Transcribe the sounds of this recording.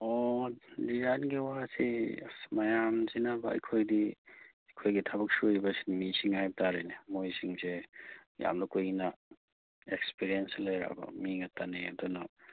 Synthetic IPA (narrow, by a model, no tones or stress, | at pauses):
odizanɡiwasḭmajamzinabɐɐ̰jkʰojdi | ɐjkʰojɡitʰabɐk̚suibɐsi̥nimisiŋhajb̚tʰaɾenimojsiŋseja̰mnukujinɐ | ek̚spiɾienslɐjɾa̰bɐ̰miŋɐtaneɐ̰dunɐ